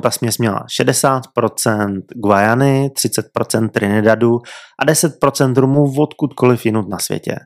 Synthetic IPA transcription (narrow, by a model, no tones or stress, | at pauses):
t̪asmɲɛsmɲɛla̰ʃɛdɛsaːt̪pɾo̞t͡sɛnt̪ɡvajanɪt̪r̥ɪt͡sɛt̪̚pɾo̞t͡sɛnt̪̚ːɾɪnɪdaduʔadɛsɛt̪̚pɾo̞t͡sɛnt̪ɾumuvot̪kut̪ko̞lɪfjɪnut̪̚nasvjɛ̰cɛ̰